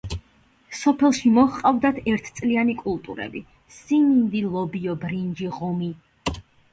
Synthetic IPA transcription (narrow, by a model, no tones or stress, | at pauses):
sɔpʰɛlˠʃimɔχqʼavd̪at̪ʰɛɾt̪ʰt̪sʼlianikʼulˠt̪ʼṵɾɛ̰bi | sinind̪ilˠɔbiɔbɾind͡ʒiʁɔmi